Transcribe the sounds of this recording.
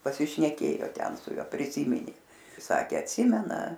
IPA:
pɐsʲɪʃʲnʲɛˈkʲeːjoː ˈtʲɛn sʊ ˈjuɔ pʲrʲɪˈsʲiːmʲɪnʲeː ˈsɑːkʲeː ɐtʲˈsʲɪmʲɛnɐ

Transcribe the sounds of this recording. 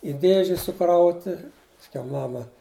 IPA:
ɪ ˈdʲeːʒʲɪ sʊˈkrɐʊtʲɪ pɐsʲˈkʲɛʊ ˈmɑːmɐ

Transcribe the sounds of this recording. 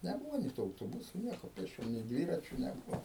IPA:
nʲɛˈbuːʋoː nʲeː tuː ɐʊtoːˈbʊsʊ ˈnʲiɛkoː pʲeːsʲˈt͡ʃʲoːm nʲeː ˈdʲʋʲiːrɐt͡ʃʲʊ nʲɛˈbʊʋoː

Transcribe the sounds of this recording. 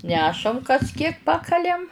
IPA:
ˈnʲæːʃɐm kɐs kʲiɛk ˈpɑːkɐlʲɛm

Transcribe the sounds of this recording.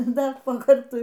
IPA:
ˈdɐr poː ˈkɐrtʊɪ

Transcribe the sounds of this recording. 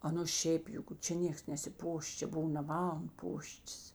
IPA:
ˈɑːˌnʊ ˈʃʲɛɪp ˈjʊk ˈt͡ʃʲɛ ˈnʲeːks nʲɛsʲɪˈpoːʃ ˈt͡ʃʲɛ ˈbʊw nɐ ˈmɐn ˈpoːʃʲtʲɪs

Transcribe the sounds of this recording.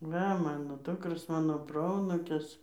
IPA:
ˈʋɐ ˈmɑːnoː ˈdʊkroːs ˈmɑːnoː ˈproːɐnuːkʲɪs

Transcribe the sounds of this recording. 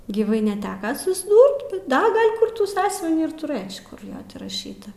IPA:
ɡʲiːˈʋɐɪ nʲɛˈtʲæːkɐ sʊzˈduːrt bʲɛt ˈdɐ ˈɡɐlʲ ˈkʊr ˈtuː ˈsɑːsʲʊʋʲɪnʲiː ɪr tʊˈrɘt͡ʃ kʊr ˈjoː tʲɪ rɐˈʃʲiːtɐ

